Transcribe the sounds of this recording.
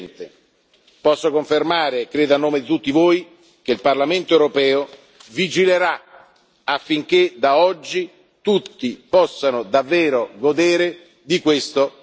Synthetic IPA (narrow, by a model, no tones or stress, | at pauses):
nt̪e | pɔsːokoɱfermaːɾekɾeːd̪oanːoːmed̪it̪ut̪ːivoːj | k̟eilparlament̪oewɾopɛːo | vid͡ʒileɾa | afːiŋk̟ed̪aɔd͡ʒːi | t̪ut̪ːipɔsːanod̪avːeːɾoɡod̪eːɾe | d̪ikwest̪o